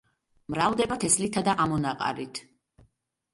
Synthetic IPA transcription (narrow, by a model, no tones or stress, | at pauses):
mɾavd̪ɛbat̪ʰɛslit̪ʰad̪aʔamɔnaqʼa̰ɾit̪ʰ